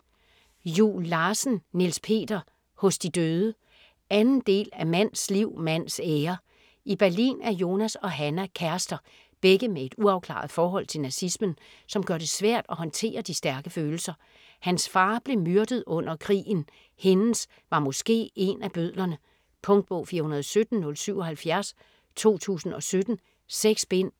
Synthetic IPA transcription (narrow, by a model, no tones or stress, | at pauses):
julːɑːsn̩nilspʰe̝̰ːd̥ɐ | hɔ̽sd̥id̥øːðˠə | ænn̩d̥e̝̰ːlæmæn̰sliʊ̰mæn̰seːɐ | ib̥æɐlḭːnæɐjo̝ːnæsɒ̽ɦænækʰæɐsd̥ɐ | b̥eɡ̥əmee̝d̥uɑ̈ʊkʰlɑ̰̈ð̩ˠfɒːɦɒ̽l̰t͡sʰe̝lnæsismən | sɒ̽mɡ̥ɶɐd̥e̝sʋæɐ̰d̥ɒhɒ̽nt͡sʰe̝̰ːɐd̥isd̥æɐɡ̥əføːl̩sɐ | hænsfɑ̈ːb̥le̝myɐd̥əð̩ˠɔ̽n̰ɐkʰʁḭːn̩ | he̝nn̩s | ʋɑ̈mɔ̽sɡ̥e̝̰ːe̝næb̥øð̰ˠlɐnə | pʰɔ̽ŋd̥̚b̥ɔʊfiːɐhunɐðˠsød̥n̩ːɔ̽lsyʊ̰ɒ̽hælfjæɐs | t͡sʰo̝̰ːt͡sʰṵːsn̩ɒ̽sød̥n̩ | seɡ̥sb̥en̰